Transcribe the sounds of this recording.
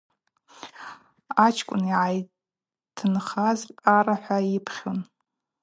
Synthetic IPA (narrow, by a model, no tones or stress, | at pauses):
at͡ʃʰkʷʼʊ̰niʕaj | tʰɨnχazʼaɾaħʷaipʰχʲon